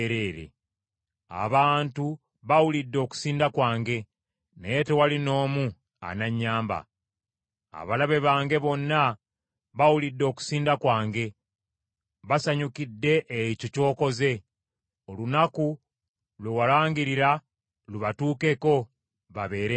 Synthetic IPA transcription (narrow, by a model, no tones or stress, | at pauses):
ɾeːɾḛ | a̰βaːntu | βawulidːo̞ku̥siːndakwaːŋɡe̞ | nejete̞walino̞ːmu | a̰naɲːaːmba̰ | a̰βalaβe̞βaːŋɡe̞βo̞nːa | βawulidːo̞ːku̥siːndakwaːŋɡe̞ | βasaɲukidːe̞ʔːicoco̞ːko̞ze̞ | olunaku | lwewalaːŋɡiɾiɾa | luβatuːke̞ko̞ | βaβe̞ːɾe